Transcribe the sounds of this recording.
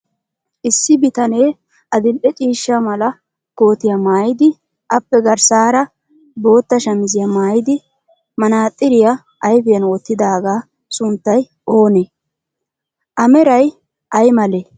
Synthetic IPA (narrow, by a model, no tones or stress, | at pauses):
ʔɪsːɪbɪt̪ɐneː | ʔɐd̪ɪlʔɛt͡ʃʼiːʃːamɐlɐ | ɡ̥o̞ːt̪ɪjɐmaːjɪd̪ɪ | ʔɐpːɛɡɐɾsaːɾɐ | bo̞ːt̪ːɐʃɐmɪzɪjɐmaːjɪd̪ɪ | mɐnaːt̪ʼːɪɾɪjɐ | ʔːjfɪjɐnwɔt̪ːɪd̪aːɡaː | sʊnt̪ːɐj | ʔo̞ːne | ʔɐmɛɾɐj | ʔɐjmɐle